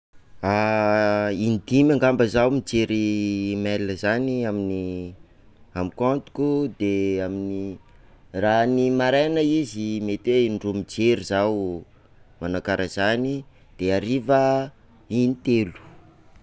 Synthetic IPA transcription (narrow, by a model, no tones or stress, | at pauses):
a | inid̪imaŋɡambəzawmid͡ʒeɾimɛləzaniamini | amikont̪u̥kud̪eamini | ranimaɾanəizimet̪einɖ͡ʐumid͡ʒeɾizaw | manakaɾʔəz̥ani | d̪̥eaɾivə | init̪elu̥